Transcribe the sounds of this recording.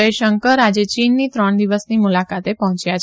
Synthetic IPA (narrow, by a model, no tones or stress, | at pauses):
əjʃəŋkəɾad͡ʒet͡ʃinːit̪ɾəɳd̪iʋəsnimulakat̪epɔɦɔ̃t͡ʃjat͡ʃʰ